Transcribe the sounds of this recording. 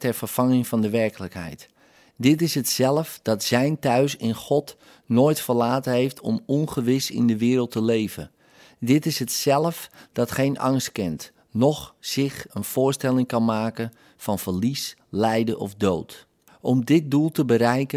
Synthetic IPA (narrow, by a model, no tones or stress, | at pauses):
tɛrfərfɑŋɪŋfɑndəʋɛɹkələkɦɛ̰jt | dɪtɪsɦətsɛlˠəfd̥ɑtz̥ɛjntœɥsɪnχɔt | noːjtfərlaːtəɦejftʰɔ̰mɔnχəʋɪsɪ̰ndəʋɪːɾəlˠtəlejvə̰ | dɪtɪsɦətsɛlˠəfd̥ɑtχejnʔɑ̰ŋst̚kɪnt | nɔxsɪxənfʊːɹstɛlˠɪŋkɑnmaːkən | fɑnfərlislɛjdəʔɔ̰fdoːt | ʔɔmdɪt̚dulˠtəbəɾɛjkə